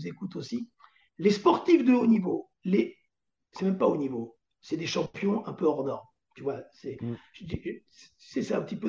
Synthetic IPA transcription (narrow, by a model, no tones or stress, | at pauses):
zekut̪osi | lespɔʁt̪ifd̪əonivo | le | sɛmɛmpaonivo | sɛd̪eʃɑ̃pjɔ̃ʔɛ̃pøɔʁd̪ɔʁm | t̪yvwasɛʒd̪issɛsaɛ̃pət̪ipø